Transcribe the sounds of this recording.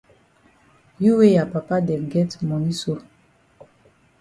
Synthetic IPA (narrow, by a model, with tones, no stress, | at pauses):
ju˦we˦ja˨pa˨pa˦dɛ˨ɡɛ˦tmɔ˨ni˦so˦